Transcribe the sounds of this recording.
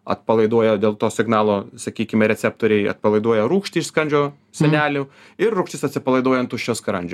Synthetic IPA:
ɐ̰t̪̚pɐlˠɐɪd̪uɔjɛd̪ʲeːlˠt̪oːsʲɪɡnɑːlˠoːsɐkʲiːkʲɪmʲɛɾʲɛsʲæp̚t̪oːɾʲɛɪɐ̰t̪̚pɐlˠɐɪd̪uɔjɛɾuːkʃʲt̪ʲɪɪʃskɐnʲd͡ʒʲoː | sʲɛnʲæːlʲʊ | ɪrrʊkʃt̪ʲɪsɐt̪ʲsʲɪpɐlˠɐɪd̪oɔjɛnt̪uʃʲoːskɾɐnʲd͡ʒʲʊ

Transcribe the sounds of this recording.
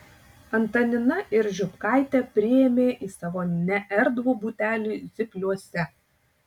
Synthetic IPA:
ɐnt̪ɐnʲɪnɐʔɪɾʒʲʊpkɑˑɪt̪ʲɛpʲɾʲɪjeːmʲeːʔiːsɑʋoːnʲɛʔɛɾd̪ʋuːbuːt̪ʲæːlʲuːzʲɪpʲlʲuɔsʲɛ

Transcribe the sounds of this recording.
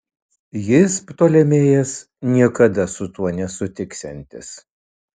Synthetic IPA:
jɪspt̪oːlʲɛmʲeːjɛs | nʲiɛkɐd̪ɐsʊt̪uɔnʲɛsʊt̪ʲɪksʲɛnʲt̪ʲɪ̰s

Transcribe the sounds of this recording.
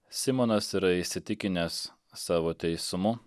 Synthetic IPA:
sʲɪmonɐsiɾɐɪsʲɪt̪ʲɪkʲɪnʲɛsː | ɑːʋoːt̪ʲɛɪsʊmʊ

